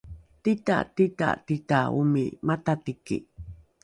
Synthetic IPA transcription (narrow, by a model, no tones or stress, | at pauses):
t̪it̪a̰t̪it̪a̰t̪it̪aumimat̪at̪ikḭ